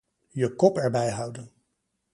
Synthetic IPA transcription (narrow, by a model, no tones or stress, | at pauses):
jəkɔpɛɹbɛjɦɑwdən